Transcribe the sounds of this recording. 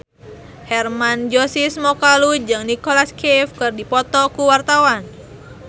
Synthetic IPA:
hɛrmand͡ʒosismɔkalud͡ʒɨŋnikolaskifkɨrdipɔt̪ɔkuwart̪awan

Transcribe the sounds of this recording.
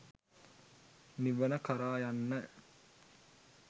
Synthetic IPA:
niʋənəkɐɾaːjanːə

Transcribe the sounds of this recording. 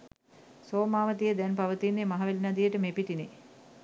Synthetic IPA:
soːmaːʋət̪ijəd̪ɛnpaʋət̪inːemaɦaʋelinad̪ijəʈəmepiʈinḛ

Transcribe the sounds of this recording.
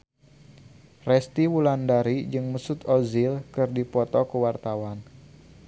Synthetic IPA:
rɛst̪iwulandaɾid͡ʒɨŋməsut̪ozilkɨrdipɔt̪ɔkəwart̪awan

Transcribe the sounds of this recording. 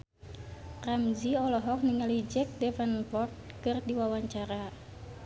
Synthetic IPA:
ramziɔlɔɦɔk̚niŋalid͡ʒɛk̚dɛfɛnpɔrt̪̚ | kɨrdiwawaɲt͡ʃaɾa

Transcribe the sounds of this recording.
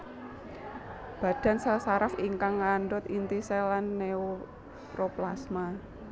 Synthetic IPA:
b̥ä̤d̥a̤nsasaɾafiŋkaŋːanɖʊt̪int̪iselanːeo | pɾoplasma

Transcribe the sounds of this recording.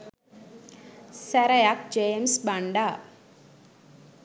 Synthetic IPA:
sæɾɐjak̚d͡ʒeːmsbaɳɖaː

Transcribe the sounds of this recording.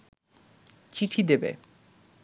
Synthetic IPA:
t͡ɕiʈʰid̪ebḛ

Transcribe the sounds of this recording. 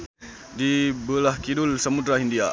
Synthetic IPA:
dibəlahkidulsəmud̪ɾaɦindia

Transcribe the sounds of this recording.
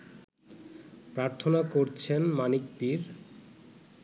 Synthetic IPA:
pɾaɾt̪ʰonakoɾt͡ɕʰenmanikpiɾ

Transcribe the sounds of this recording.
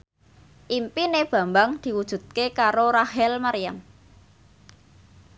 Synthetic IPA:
ʔimpineb̥ä̤mbaŋd̪̥i̤wud̥ʒ̥ṳt̪̚kekaɾoɾaɦɛlmaɾijam

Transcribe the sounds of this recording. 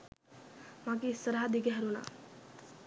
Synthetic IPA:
mak̬isəɾɦad̪iɡeɦəɾuna̰

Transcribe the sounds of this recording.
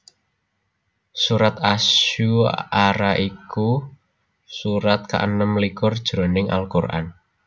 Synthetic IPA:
suɾat̪aʃuʔaɾaʔiku | suɾat̪̚ka̰ʔənəmlikʊrd̥ʒ̥ɾonɪŋʔa̰lkurʔa̰n

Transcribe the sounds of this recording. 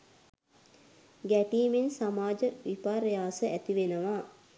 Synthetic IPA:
ɡæʈiːmensamaːd͡ʒəʋipaɾəjaːsəæt̪iʋenəʋa

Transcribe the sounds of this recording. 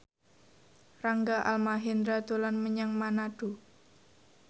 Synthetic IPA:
raŋɡaʔa̰lmaɦɪnd̪ɾad̪olanməɲaŋmanaɖ̥o

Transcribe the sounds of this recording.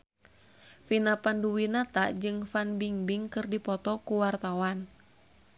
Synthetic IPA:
finapanduwinat̪aʔd͡ʒɨŋfanbiŋbiŋkɨrdipɔt̪ɔkuwart̪awan

